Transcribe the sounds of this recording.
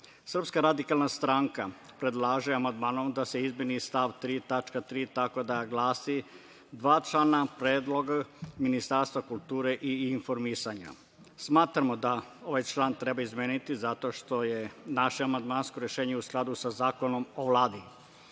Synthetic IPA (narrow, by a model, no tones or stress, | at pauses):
sr̩pskaɾad̪ikalˠnast̪ɾaŋka | pɾe̞d̪laːʒeamand̪maːnomd̪ase̞izmenist̪aʋt̪ɾiːt̪at͡ʃkat̪ɾiːt̪ako̞d̪aɡlˠaːsi | d̪ʋaːt͡ʃlanapɾeːd̪lo̞ɡaminist̪aɾst̪ʋakulˠt̪uːɾeʔiːnfo̞ɾmisaɲa̰ | smaːt̪ɾamo̞d̪ao̞ʋajt͡ʃlˠaːnt̪ɾe̞baizmʲjeːnit̪izat̪o̞ʃt̪o̞je̞naʃeamand̪maːnsko̞ɾjeʃeːɲeusklˠad̪usazaːko̞no̞mo̞ʋlaːd̪i